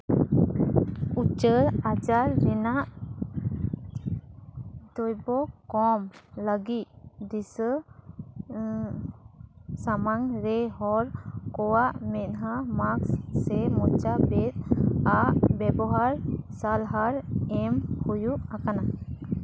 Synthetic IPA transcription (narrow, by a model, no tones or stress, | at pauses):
ut͡ʃəɾad͡ʒaɾːɛnaʔ | d̪ɔjbɔkɔmləɡit̪̚d̪isə | samaŋɾɛɦɔɾkɔwaʔmɛt̪̚ɦamaksːɛmɔt͡ʃabɛt̪̚aʔbɛbɔɦaɾsalɦaɾɛmhujuʔakana